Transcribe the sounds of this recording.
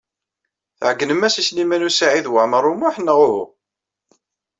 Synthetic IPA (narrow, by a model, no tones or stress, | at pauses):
θʕəɡːnəmæsislimænusaʕiðwəʕməɾˤːʊmʊħnːəʁʊhʊ̰